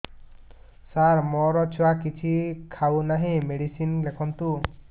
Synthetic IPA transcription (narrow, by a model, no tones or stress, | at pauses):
saɾmɔɾɔt͡ʃʰuwakit͡ʃʰikʰawnaɦĩmeɽisinlekʰɔnt̪u